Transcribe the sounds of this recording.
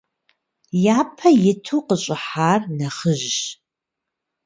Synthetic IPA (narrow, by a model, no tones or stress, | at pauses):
jaːpʰɐjɪtʰuːqəɕʼɪħaːrnɐχəʒʒ